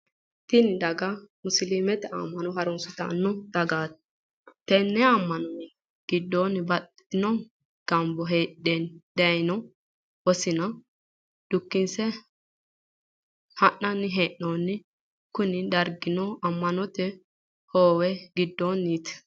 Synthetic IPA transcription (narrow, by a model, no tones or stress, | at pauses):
t̪ɪnd̪ɐɡɐmʊsliːmɛt̪ɛɐ̰mːɐnɔɦɐɾɔnsʊt̪ɐ̰nːɔd̪̥ɐɡaːt̪̚ | t̪ːɛnːɛɐmːɐnɔn | ɡ̥ɪd̪ːonbɐt̪ː | ɪnɔ | ɡ̥ɐmbɔɦeːʔeːnd̪̥ɛjnɔ | wɔsɪnɐ | d̪̥ʊkːɪnsɛ | hɐʔɐnːɪɦeːʔːoːnːɪ | kʊnɪd̪ɐɾɡɪnɔɐmːɐnɔt̪ɛ | hoːwɛɡɪd̪ːonːit̪